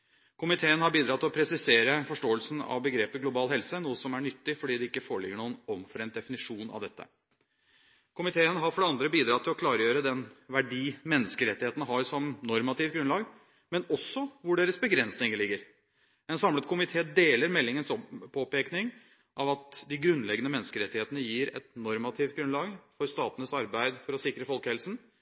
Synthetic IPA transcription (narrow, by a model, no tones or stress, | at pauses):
kʰʊmɪt̪ʰeːənhɑɾbiːd̪ɾɑt̪ʰːɪlɔpʰɾɛsɪseːɾəfɔʂʈoːəlsn̩ɑ̰ʋbəɡɾeːpɪɡlʊbɑːlhɛlsənuːəsɔmæɳʏt̪ːɪfɔɖiːd̪ɛɪkːəfoːəɭɪɡəɳuːənɔmfɔɾɛnt̪̚d̪ɛfɪnɪʂuːnɑ̰ʋd̪ɛt̪ːə̰ | kʰʊmɪt̪ʰeːənɦɑɾfɔɖɛɑnd̪ɾəbiːd̪ɾɑt̪ʰːɪlɔkʰlɑːɾəjøːɾəd̪ɛnʋæɖiːmɛnːəskəɾɛt̪ːɪheːt̪n̩əɦɑɾsɔmnɔɾmɑt̪ɪːft̪ɡɾʉnlɑːɡ | mɛnɔsːɔʋʊɖeːɾəsbəɡɾɛnsnɪŋəɭɪɡːəɾ | ɛnsɑmlət̪kʰʊmɪt̪ʰeːd̪eːləɾmɛlːɪŋənsɔpʰːoːpeːknɪŋ | ʔɑʋɑt̪d̪ɪɡɾʉnːlɛɡənəmɛnːəskəɾɛt̪ːɪheːt̪ənəjiːɾɛ̰t̪nɔɾmɑt̪ʰɪːft̪̚ɡɾʉnlɑːɡfɔɾst̪ɑːt̪ənəsɑɾbæɪd̪fɔɾɔsɪkɾəfɔlkəɛlsn̩